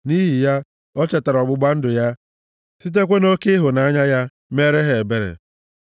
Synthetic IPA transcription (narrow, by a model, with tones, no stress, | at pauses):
ni˦ɦi˨ja˦ | ɔ˦t͡ʃa˨ta˨ɾɔ˨ɡ͡bʊ˦ɡ͡ba˦n̩˦dʊ˨ja˦ | si˦t̬e˦kʷe˦no˦ke˦ɦʊ˨na˦ɲa˦ja˦ | me˦ɾe˦ɦe˨e˨be˨ɾḛ˨